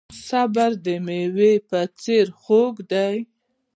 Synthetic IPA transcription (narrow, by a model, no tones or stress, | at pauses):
sabaɾd̪əmewepət͡seɾxoɡd̪aj